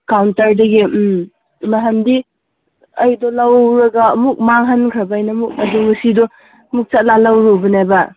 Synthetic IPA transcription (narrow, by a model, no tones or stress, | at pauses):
kawntaɾdɐɡim | maɦandi | ɐjdɔlawɾɐɡaːmuk̚maŋɦankʰɾɐbjnamuk̚ɐduŋɐsidɔ | muk̚t͡ʃat̚lalawɾubɐnajba